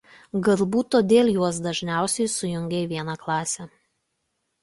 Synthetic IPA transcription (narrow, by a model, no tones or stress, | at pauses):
ɡɐlˠbuːt̪oːd̪ʲeːlʲˠjuɔs̬d̪ɐʒʲnʲæˑʊsʲɛɪsʊjʊŋʲɡʲeʋʲiɛnɑklˠɑːsʲɛ